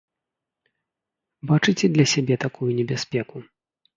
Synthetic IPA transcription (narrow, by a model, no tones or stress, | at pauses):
bat͡ʂɨt͡sʲɛd̪lʲɐsʲabʲɛt̪akujunʲɛbʲasʲpʲɛku